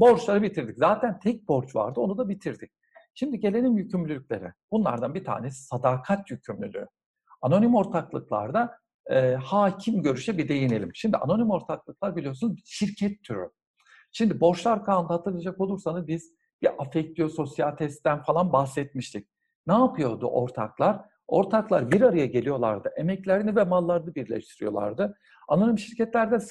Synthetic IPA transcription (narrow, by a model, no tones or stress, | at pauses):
bo̞ɾt͡ʃlˠaɾɯbit̪ʰiɾd̪iczaːt̪ʰænt̪ʰɛc̚bo̞ɾt͡ʃva̰ɾd̪ɯo̞nud̪abit̪ʰiɾd̪ic̚ | ʃimd̪iɟe̞lʲe̞nimjycʰymlʲylʲycʲlʲe̞̰ɾɛ̰b̥unlˠa̰ɾd̪anbit̪ʰa̰ːnesi̥sad̪akʰat̪jycʰymlʲy̰lʲy̰ | ano̞nimo̞ɾt̪ʰaklˠɯklˠa̰ɾd̪a | ɛːhaːcʰimɟø̞ɾyʃɛbid̪e̞jine̞lʲḭmʃimd̪iʔa̰no̞nimo̞ɾt̪ʰaklˠɯklˠaɾbilʲijo̞sunuzbiʃiɾcʰɛt̪ʰːyɾ̰ | ʃimd̪ibo̞ʃlˠaɾkʰaːnd̪ahat̪ʰɯɾlˠad͡ʒako̞lˠuɾsanɯzbiz̥ | b̥iʔafɛc̚t̪ʰijoso̞sjalʲt̪ʰɛst̪ːænfalˠanbahsɛt̪̚miʃt̪ʰic̚ | naːpʰɯjo̞ɾd̪ṵʔo̞̰ɾt̪ʰaklˠaɾ̥ | o̞̰ɾt̪ʰaklˠaɾbiɾaɾajaɟe̞lʲijo̞lˠa̰ɾd̪ɯʔemɛclʲæɾinivɛmalˠːaɾɯnɯbiɾlʲɛ̰ʃt̪ʰiɾijo̞lˠa̰ɾd̪ɯ | ano̞nimʃiɾcɛt̪lʲæɾd̪ɛs